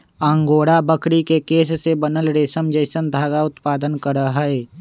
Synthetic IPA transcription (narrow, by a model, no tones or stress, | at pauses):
ãːŋɡoːɽabəkʰɽikekeːssebənəlɾeːsəmd͡ʒeːsənd̪ʱaːɡaʊt̪paːd̪ənkəɾəɦɛe